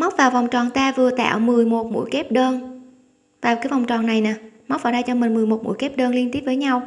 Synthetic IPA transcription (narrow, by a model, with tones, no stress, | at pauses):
ma˦˥k͡p̚vaː˨˩wva˨˩wŋ͡mt͡ɕɔ˨˩nt̪aː˧vɨ˨˩ət̪a̰ː˧˨wmɨ˨˩əjmo˨˩t̚mṵ˧˥jkɛ˦˥p̚ɗəː˧n | vaː˨˩wkaː˨˦jvɔ˨˩wŋ͡mt͡ɕɔ˨˩nːa˨˩jnaː˨˩ma˦˥k͡p̚vaː˨˩ɗa˧jt͡ɕɔ˧mï˨˩ŋ̟mɨ˨˩jmo˨˩t̚mṵ˧˥jkɛ˦˥p̚ɗəː˧nli˧ənt̪i˦˥əp̚vəː˨˦jɲa˧w